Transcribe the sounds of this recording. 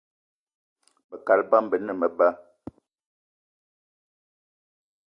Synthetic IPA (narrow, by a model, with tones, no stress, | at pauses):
bə˨ka˨lba˦mbə˨nə˦˨mə˨ba˦